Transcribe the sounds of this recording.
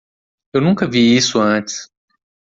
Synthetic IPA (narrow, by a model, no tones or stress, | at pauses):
ewnũkɐviisʊɐ̃t͡ʃɪ̥s